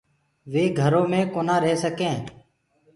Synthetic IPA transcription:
ʋeːɡʱəɾoːmẽːkoːnaːɾeːsəkẽː

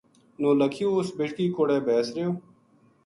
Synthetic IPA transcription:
noːləkʰjoːʊsbeʈkiːkoːɽeːbɛːsɾejoː

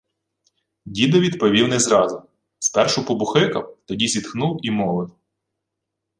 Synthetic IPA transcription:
dʲid̪ɔʋʲid̪pɔʋʲiwnɛzɾɑzʊ | spɛrʃʊpɔbʊxɪkɐwt̪ɔdʲizʲid̪xnuwimɔʋɪw

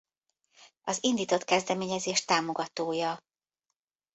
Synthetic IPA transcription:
ɒzind̪iːt̪o̞t̪kɛzd̪ɛmeːɲɛzeːʃt̪aːmo̞ɡɒt̪oːjɒ

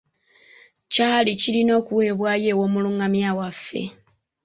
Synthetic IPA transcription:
caːlicilino̞ːkuwe̞ːβwaːje̞ːwo̞ːmuluːŋɡamjaːwafːe̞̰

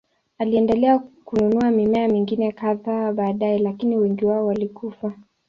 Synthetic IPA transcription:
aliɛndɛlɛakununuamimɛamiŋɡinɛkaðaːɓaːɗaɛlakiniwɛŋɡiwaɔwalikufa

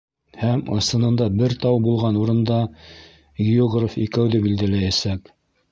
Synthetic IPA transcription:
hæmɑ̰sɤ̆nɤ̆nd̪ɑbɘɾt̪ɑwbulˠʁɑnuɾɤ̆nd̪ɑ | ɡɪjoɡrofikæwðɘbild̪ælæjæsæk

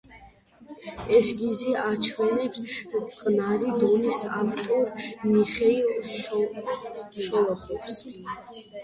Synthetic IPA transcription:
ɛsɡiziat͡ʃʰwɛnɛpst̪sʼqʼnaɾid̪ɔnisa̰ft̪ʼɔɾmiχɛilʃ | ʃɔlˠɔχɔfs

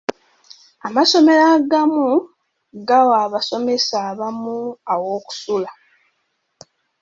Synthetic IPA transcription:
amaso̞me̞ɾaɡamu | ɡawaβaso̞me̞saːβamuawo̞ːku̥sula

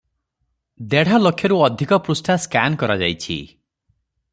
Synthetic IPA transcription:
d̪eɽ̤alokʰjɔɾuɔd̪ʱikɔpɾusʈʰaskankɔɾad͡ʒajt͡ʃʰḭ

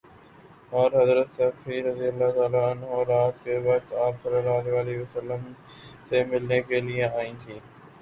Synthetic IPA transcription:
ɔːɾɦɐzɾət̪səfiɾəd̪ijəlːat̪aːlaənɦoɾaːt̪keʋat̪aːpsəɾəɾaːd̪eʋaːleʋsəlːəm | semɪlnekeliẽaːĩːt̪ʰiː

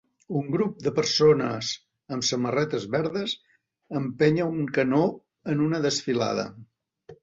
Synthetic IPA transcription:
uŋɡɾup̚d̪əpəɾsonə̰z | əmsəmərɛt̪əzβɛɾðəz | əmpɛɲəuŋkəno | ənunəðəsfila̰ð̞ə̰

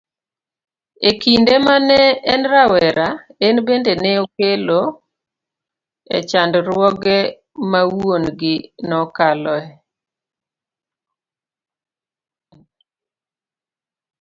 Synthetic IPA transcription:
ekindemanɛːnɾawɛɾaenbendeneokelo | ɛ̰t͡ʃandɾwɔɡɛ | mawonɡɪnɔkalɔɛ

